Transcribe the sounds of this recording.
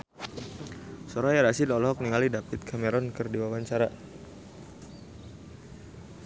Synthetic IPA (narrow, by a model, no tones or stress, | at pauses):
sɔɾɔjaɾasɪlɔlɔɦɔk̚niŋalidapit̪̚kʰamɛɾɔnkərdiwawaɲt͡ʃaɾa